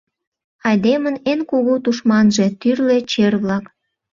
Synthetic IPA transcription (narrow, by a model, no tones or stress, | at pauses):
ɑjd̪emənenkoɣot̪uʃmɑnʒe̽t̪yrle̽t͡ɕerβlɑk